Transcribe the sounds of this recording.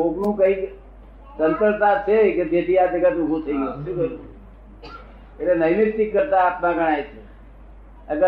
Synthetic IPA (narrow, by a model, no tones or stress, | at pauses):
oknũkəik | t̪ənt̪əɾt̪at͡ʃʰeked͡ʒ̪et̪ʰiad̪əɡət̪uɡʱũt̪ʰəiɡoʃũkəɾ | eʈlenəinɪt̪ːikːəɾt̪aːpnãɡʱəɽ̃aet͡ʃʰe | əɡə